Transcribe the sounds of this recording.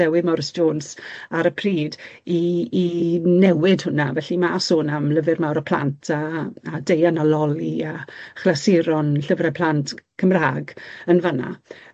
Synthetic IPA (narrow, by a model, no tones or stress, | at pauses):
ɛwɪmɔrsd͡ʒoːnsaɾəpʰriːdiː | nɛwɪdhʊnavɛɬimaasʊːnamləvɪrmawɾəpʰl̥a̰ntʰaːdejanalɔliaχlasɪɾɔnɬəvrɛpʰl̥antkʰəmraːɡənvəna̰